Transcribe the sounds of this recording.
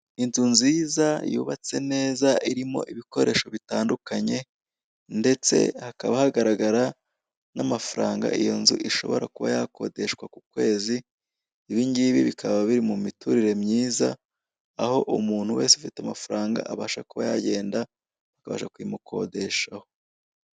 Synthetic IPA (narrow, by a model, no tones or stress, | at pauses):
inzunziːzajṵːβat͡se̞ne̞ːzaʔiɾimo̞̰ʔiβiko̞ɾe̞ːʃo̞βitaːndukaɲe̞ | nde̞t͡se̞̰hakaβahaɡaɾaɡaɾa | namafaɾaːŋɡa̰ijo̞nzṵʔiʃo̞̰βo̞ɾakuβa̰jako̞̰de̞ʃkwakukwe̞ːziː | βiːɲɟiβiβikʰaβaβiɾimumituɾiɾe̞mɲiːza̰ | aho̞ʔumuːn̥huwe̞ːnseufitamafaɾaːŋɡa̰ʔaβaːʃakuβa̰jaɟe̞ːnda | βakaβa̰ːʃakujimukʰo̞̰de̞ʃaho̞̥